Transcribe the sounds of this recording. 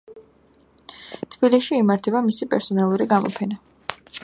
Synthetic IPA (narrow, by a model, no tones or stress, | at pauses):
t̪ʰb̥iliʃiːmaɾt̪ʰɛbamisipʼɛ̰ɾsɔnalˠuɾiɡamɔ̰pʰɛna